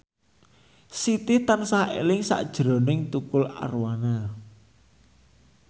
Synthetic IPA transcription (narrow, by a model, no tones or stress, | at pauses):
sit̪ɪht̪ansahḛlɪŋsa̰ʔd̥ʒ̥ɾɔ̤nɪŋt̪ukʊla̰rwana